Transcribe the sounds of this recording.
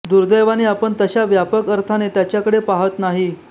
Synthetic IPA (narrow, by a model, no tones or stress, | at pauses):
d̪uɾd̪əjʋañiapəɳt̪əɕaʋjapəkəɾt̪ʰanet̪jat͡ɕjakəɽepaɦət̪naɦi